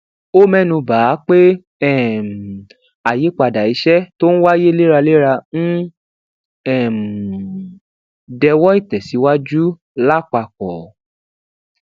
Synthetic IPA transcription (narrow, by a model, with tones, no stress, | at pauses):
o˦mɛ̃˦˨nũ˧baː˨˦k͡pe˦ | ɛ˦˨m˨ | a˨je˨˦k͡pa˧˨da˨i˨˦ʃɛ˦to˦ñ̩˦wa˦je˦le˦ɾa˧le˦ɾa˧n̩˦ | ɛ˦˨m˨ | dɛ˧wɔ˦i˦˨tɛ˨si˨˦wa˦d͡ʒu˦ | la˦˨k͡pa˨k͡pɔ˨